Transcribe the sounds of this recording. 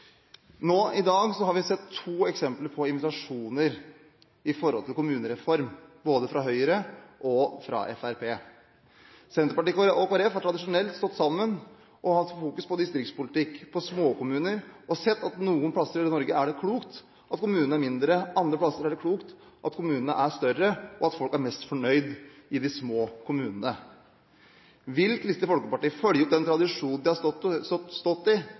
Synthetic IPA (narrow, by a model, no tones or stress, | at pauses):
noːɪd̪ɑːɡsɔhɑɾʋɪsɛt̪ʰːuːɛksɛmpləɾpʰɔɪnʋɪt̪ɑʂuːnəɾ | ɪfɔɾhɔlt̪ʰɪlkʰʊmʉːnəɾɛfɔɾmboːd̪əfɾɑɦœʏəɾəʔɔfɾɑ̰ʔɛ̰fæɾpʰeː | sɛnt̪ɾəpɑʈɪkɔkʊɾeːɑfhɑɾʈ̪ʰɾɑd̪ɪʂʊnɛlt̪st̪ɔt̪ːsɑmːən | ʔɔhɑt̪ːfuːkʉspɔd̪ɪst̪ɾɪktspʊlɪt̪ɪkːpʰɔsmoːkʊmʉːnəɾʔɔsɛt̪ːɑt̪nuːənpʰlɑsːəɾɪnɔɾɡəæɖɛkʰluːkt̪ | ʔɑt̪kʊmʉːnən̩æɾmɪnd̪ɾəʔɑnd̪ɾəpʰlɑsːəɾæɖɛkʰluːkt̪ | ʔɑt̪kʰʊmʉːnənə̰ʔæst̪œrəɔɑt̪fɔlkæɾmɛst̪fɔɳœʏd̪ʔɪd̪ɪsmoːkʰʊmʉːnənə | ʋɪlklɪst̪əfɔlkəpɑʈiːfœljəʊt̪d̪ɛnt̪ʰɾɑd̪ɪʂuːnnd̪ɪhɑ | st̪ɔt̪ːɪ